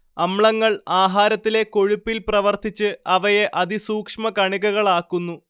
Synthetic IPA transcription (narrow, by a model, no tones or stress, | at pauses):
ɐmɭɐŋːɐɭaːɦaːɾɐt̪ːile̞ko̞ɻupːilprɐʋɐrt̪ʰit͡ɕːɨɐʋɐje̞ʔɐd̪isuːkʂmɐkɐɳiɣɐɣɐɭaːkːunːu